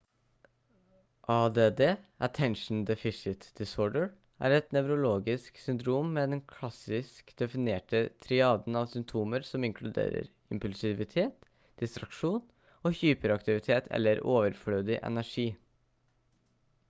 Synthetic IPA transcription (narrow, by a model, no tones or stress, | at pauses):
ʔɑːd̪eːd̪eːʔət̪ʰɛnʂn̩d̪ɛfɪʃɪt̪d̪̥ɪsoːɖəɹ | ʔæ̰ːɾɛt̪nɛʉɾʊloːɡɪsksʏnd̪ɾuːmːɛːd̪ɛnkʰlɑsɪskd̪̥ɛfɪneːʈət̪ʰɾɪɑːd̪n̩ɑːʋsʏmt̪ʰuːməɾsɔmɪŋkʰlʉd̪ḛːɾə̰ɾ | ɪmpʉlsɪʋɪt̪ʰeːt̪ | d̪̥ɪst̪ɾɑkʂuːn | oːçyːpəɾɑkt̪ɪʋɪt̪ʰeːt̪ʰɛ̰lːəɾoːʋəɾfɽøːd̪ɪʔɛ̰næʂiː